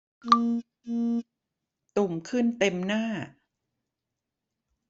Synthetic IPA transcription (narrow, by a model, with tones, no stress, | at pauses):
ʔɯː˧ | ʔɯː˧ | t̪u˨˩mkʰɯ˥˩nt̪e˧mnaː˥˩